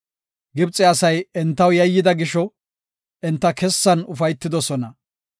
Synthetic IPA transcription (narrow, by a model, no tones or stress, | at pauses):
ɡɪbt͡sʼːɛɐsɐjɛnt̪ːɐwjɐjːɪd̪ɐɡɪʃɔ | ʔɛnt̪ːɐkɛsːɐnʊfɐjt̪ːɪd̪ɔsɔnɐ